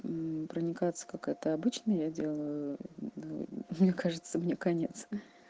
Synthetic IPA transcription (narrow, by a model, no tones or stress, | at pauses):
pɾənʲɪkat̪sə̥kakɛt̪əɐbɨt͡ɕnəjadʲe̞lˠəjjʊnṵmnʲekaʐɨt̪səmnʲekɐnʲet̪s